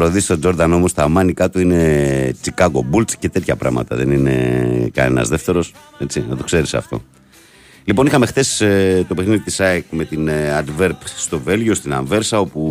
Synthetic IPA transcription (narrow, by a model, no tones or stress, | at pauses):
ɾoðisi̥t̪od͡ʒo̞ɾðɐno̞most̪ɐmɐnikɐt̪uine̞t͡sikɐɣo̞bult͡sce̞t̪e̞t̪çɐpɾɐ̰mɐ̰t̪ɐ̰ðe̞̰nine̞̰kɐ̰nḛnɐ̰zðe̞ft̪e̞ɾo̞s | e̞t͡sinɐt̪o̞kse̞ɾisɐ̰ft̪o̞̰ | lipo̞nixɐme̞xθe̞st̪o̞pexniðit̪isɐekme̞t̪inɐd̪ve̞ɾpst̪o̞ve̞lʝost̪inɐɱve̞ɾsɐo̞pu